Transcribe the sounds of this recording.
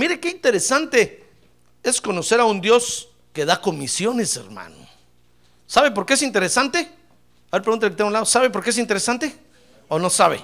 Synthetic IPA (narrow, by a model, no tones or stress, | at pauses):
miɾekeint̪eɾesant̪e | esko̞no̞se̞ɾaund̪jo̞s | ke̞ðako̞misjo̞ne̞sḛɾma̰no | saβe̞p̬o̞ɾkees̬int̪e̞ɾesant̪e̞ | aeɾp̬ɾeɣunt̪eleket̪eŋɡunlaðosaβepoɾkes̬int̪eɾesant̪e̞ | ono̞saβḛ